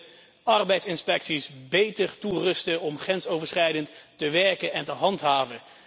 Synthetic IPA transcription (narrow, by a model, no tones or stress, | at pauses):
ɑɹbɛjtsɪnspɛksisbejtəɹturɵstəɔmχrɛnsowvəɹsχrɛjdəntːəʋɛɹkənɛntəɦɑntɦaːvə